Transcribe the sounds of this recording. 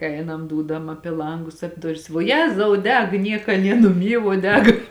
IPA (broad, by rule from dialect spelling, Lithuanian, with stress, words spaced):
ˈɛɪnɐm ˈduːdɐm ˈɑːpʲɪ ˈlˠɐŋɡʊs ɐpʲ ˈdʊrʲɪs ʋuɔ ˈjæːzɐʊ ˈdʲɛk ˈnʲiɛkɐ ˈnʲiɛ nʊˈmʲiː ʋuɔ ˈdʲɛk